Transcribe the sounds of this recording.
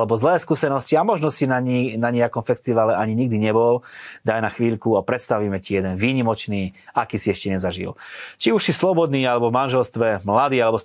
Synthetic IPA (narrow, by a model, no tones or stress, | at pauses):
lɛbɔzlɛːskuːsɛnɔsciamɔʒnɔsinaɲnaɲɛakɔmfɛst̪iʋalɛʔaɲiɲiɡ̚d̪iɲɛbɔld̪ajnaxʋiːʎkuapɾɛt̪st̪aʋiːmɛcijɛd̪ɛnʋiːɲimɔt͡ʃniːakiːsiɛʃcɛɲɛzaʒḭlt͡ʃiuʃsislɔbɔd̪niːalɛbɔvmanʒɛlst̪ʋɛmlad̪iːalɛbɔ